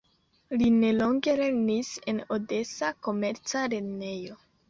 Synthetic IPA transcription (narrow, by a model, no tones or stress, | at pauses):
line̞lo̞ŋɡe̞le̞nise̞node̞sako̞me̞ɾt͡saɾe̞ne̞jo̞